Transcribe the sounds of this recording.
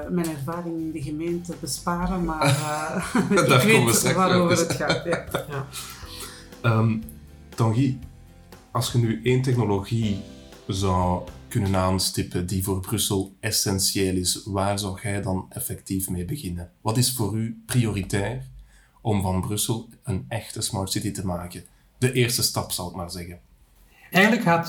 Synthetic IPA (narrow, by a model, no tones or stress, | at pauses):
mɛnɛrvaːrɪŋɪndəɣəmeːntəbəspaːɾəmaː | aːʋeəɛʋaɾoːvəɾətxatjja | əːm | d̥ɑŋɣi | ɑlˠsxənyʔeːnt̬ɛxnoloɣi | zɑwkɵnənaːnstɪpədivoːrbrɵsəlˠɛsɛnsjeːlɪsʋaːrzɔwɣɛjdɑnɛfɛktifmeːbəɣɪnənʋɑtɪsfoːryprioritɛːr | ɔmvɑnbrʏsəlˠənɛxtəsmɑɹtsɪtitəmaːkə | dəʔɪːrstəstɑpsɑwɪk̚maːrzɛɣən | ɛːjɣənləkhaːt